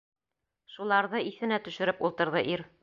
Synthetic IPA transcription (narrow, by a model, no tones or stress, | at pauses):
ʃulˠɑɾðɤiθɘ̆næt̪ɵ̆ʃɘ̆ɾɘpulˠt̪ɤ̆ɾðɤʔiɾ